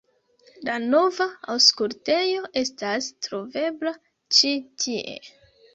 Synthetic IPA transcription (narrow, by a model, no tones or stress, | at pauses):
lano̞vaa̰wskulte̞jo̞ʔe̞stastɾo̞ve̞bla | t͡ʃitʰiʔe̞̰